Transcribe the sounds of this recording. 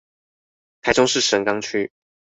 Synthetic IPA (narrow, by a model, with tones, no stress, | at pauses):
t̪ʰa˨˥ɪʈ͡ʂʊ˥ŋʂɻ̩˥˩ʂə˧˥nkɑ˥ŋt͡ɕʰy˥